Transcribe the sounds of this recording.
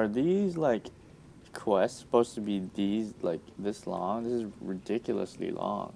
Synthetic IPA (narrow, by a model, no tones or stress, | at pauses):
ə˞ðizlaɪkʰ | w̥ɛstsə̥poʊz̥tʰəbiðizlaɪk̚ðɪslɔ̰̃ŋðɪsɨzɹɨdɪkjl̩ˠə̰slḭlɔ̰̃ŋ